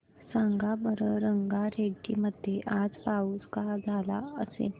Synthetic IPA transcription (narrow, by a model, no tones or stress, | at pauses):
sãŋɡabʱəɾəɾəŋɡaɾeʈiːməd̪ʱːjeʔad͡zpauːskad͡zʱala̰əsḛ